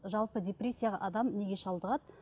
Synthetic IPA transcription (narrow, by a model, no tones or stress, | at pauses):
ʒɑlˠpəd̪ʲe̞prʲesʲːijaʁɑ̰ʔɑd̪ɑmne̞ɡʲe̞ʃɑlˠd̪əʁɑd̪